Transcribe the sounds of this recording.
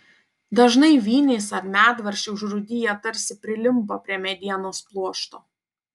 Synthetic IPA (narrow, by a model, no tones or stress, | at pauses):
d̪ɐʒnɐɪʋʲiːnʲɛːsɐɾmʲæːt̪ʋɐɾʲʃʲɛʊʒɾʊd̪ʲɪjɛt̪ɐɾʲsʲɪpʲɾʲɪlʲɪmpɐpʲɾʲiɛmʲɛd̪ʲiɛnoːsplˠuɔʃt̪oː